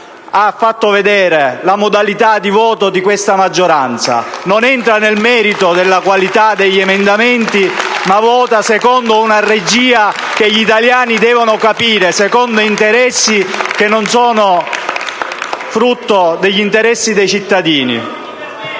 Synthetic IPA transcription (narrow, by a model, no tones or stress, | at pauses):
afːat̪ːoved̪ɛːɾelamod̪alit̪ad̪ivɔːt̪od̪ikwest̪amad͡ʒːoɾant̪sa̰nonɛnt̪ɾanelmɛːɾit̪od̪elːakwalit̪ad̪eʎːɛmend̪amɛnt̪imavɔːt̪asekɔnd̪ounared͡ʒiːa | keʎit̪aljaːnid̪ɛːvonokapiːɾesɛkɔnd̪oint̪eɾɛsːik̟enːonsɔːno | fɾut̪ːod̪eʎːint̪eɾɛsːid̪ejt͡ʃit̪ːad̪iːnḭ